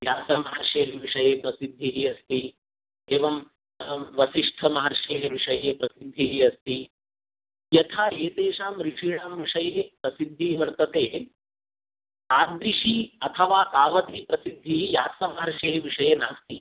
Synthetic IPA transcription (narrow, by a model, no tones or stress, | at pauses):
jaːsɐmɐɦɐɾʂeːɦeʋiʂɐjeːpɾɐsid̪ʱːiɦiɐst̪i | eːʋɐm | ʋɐsiʂʈʰɐmɐɦɐɾʂeːɦeʋiʂɐjeːpɾɐsid̪ʱːiɦiɐst̪i | jɐt̪ʰaːeːt̪eːʂaːmɾiʂʰiːɽaːmɾiʂɐjeːpɾɐsid̪ʱːiʋɐɾt̪ɐt̪eː | aːd̪ɾiʂiɐt̪ʰɐʋaːk̪aːʋɐt̪ipɾɐsid̪ʱːiɦijaːsɐmɐɦɐɾʂeːɦeʋiʂɐjeːnaːst̪i